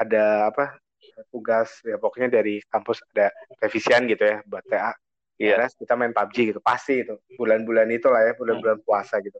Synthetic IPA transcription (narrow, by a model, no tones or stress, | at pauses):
adaːpa | ət̪uɡasjapɔkoɲadaɾikampʊsadapɾefisianɡit̪ujabat̪ea | ilaskit̪amaɪnt̪ab̚d͡ʒiɡit̪upast̪iɡit̪ubulanbulanit̪ulahjabulanbulankuasaɡit̪u